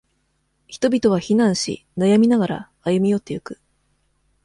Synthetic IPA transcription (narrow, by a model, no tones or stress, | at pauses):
çi̥t̪o̞bʲit̪o̞β̞açinãɰ̃ɕḭnajamʲinaɡaɾa̰ːjɯ̟mʲijo̞t̪ːe̞jokɯ̟̥